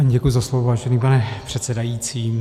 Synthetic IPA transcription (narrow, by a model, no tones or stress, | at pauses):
ɟɛkʊjʊuzaslovovaːʒɛniːpanɛpr̥ɛt̪sɛdajiːt͡siːm